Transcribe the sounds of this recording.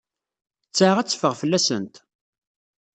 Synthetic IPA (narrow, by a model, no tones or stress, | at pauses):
t͡sːaʁæt͡sːə̥fəʁfəlːæsə̰nt̪